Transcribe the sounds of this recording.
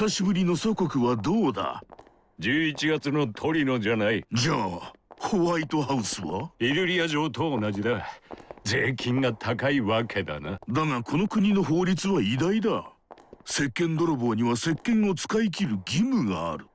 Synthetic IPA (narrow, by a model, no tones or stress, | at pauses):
saɕibɯ̟ɾʲino̞soko̞kɯ̟βad̪o̞ːd̪a̰ | d͡ʑɨːit͡ɕiɡat͡sɨno̞t̪ʰo̞ɾʲino̞d͡ʑanaid͡ʑaːhoβait̪o̞ɦaɯ̟sɨβa̰iɾɯ̟ɾʲiaʑo̞ːt̪oːnaʑid̪aze̞ːkʲʰĩŋɡat̪ʰakaiβakʰe̞d̪a̰nad̪aŋakʰo̞no̞kɯ̟ɲ̟ino̞ɦo̞ːɾʲit͡sɨβaid̪aid̪a | se̞kːẽ̞nd̪o̞ɾobo̞ːɲ̟iβase̞kːẽ̞ŋo̞t͡sɨ̥kaik̬ʲiɾɯ̟ɡʲimɯ̟ɡa̰ːɾɯ̟